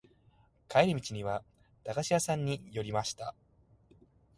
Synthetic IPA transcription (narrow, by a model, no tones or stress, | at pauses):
kaeɾʲimʲit͡ɕiɲ̟iβa | t̪aɡaɕijasãɲ̟ːijo̞ɾʲimaɕi̥t̪a